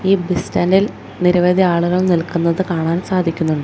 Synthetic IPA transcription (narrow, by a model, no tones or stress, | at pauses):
iːbistɐːndil | niɾɐʋɐd̪ʱiaːɭuɣɐɭnilkunːɐðɨkaːɳaːnsaːd̪ʱikʲːunːuɳɖɨ